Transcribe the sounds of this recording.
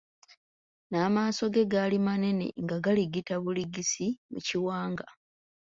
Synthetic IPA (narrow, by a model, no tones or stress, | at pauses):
naːmaːso̞ɡe̞ɡalimane̞ne̞̰ŋɡaɡaliɡitaβuliɡisimṵciwaːŋɡa